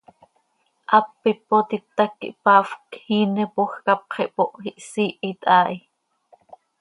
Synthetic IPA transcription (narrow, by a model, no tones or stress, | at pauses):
ʔɑpːipot̪it̪ːakːḭʔpɑːfkhiːnɛpoxkɑp̚qʰiʔpoʔhiʔsiːʔit̪ʼʔɑːʔi